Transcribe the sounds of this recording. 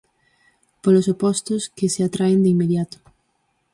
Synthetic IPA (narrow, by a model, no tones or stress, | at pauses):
polosopɔst̪oskeseat̪ɾaend̪eimeðjat̪ʊ̥